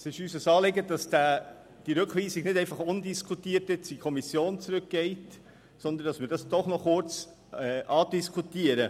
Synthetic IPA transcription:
sɪʃyːsəsɑːlɪɡəd̥ɑsd̥æː | d̥iɾʉkχʋiːsiɡnɪdɛɪnfɑχʊndiskʰutiːəɾtɪt͡sikʰɔmisjoːnt͡sɾʉk̚ɡ̥ɛɪt | sɔnd̪əndɑsmɪːɾdɑsd̥ɔχnɔχʊrt͡s | ɛʔɑːdiskʰutiəɾə

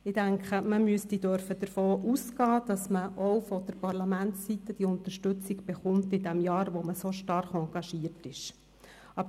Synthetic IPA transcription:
ɪd̥æŋkχəməmyəstidœɾfəd̥əɾfoːʔuskɑːd̥ɑsməʔɔwfɔd̥̪əɾpɑɾlɑmæntːit̪ːəd̥iʊnt̪əɾʃtɵt͡siɡb̥ɛχʊmt̪ɪdæmjɑːɾʋoməsoʃtɑɾχɑŋɡɑʃiəɾtɪʃ | ɑb

